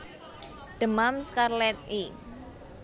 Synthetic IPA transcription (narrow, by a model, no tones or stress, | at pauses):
ɖ̥əmamskarlɛt̪̚i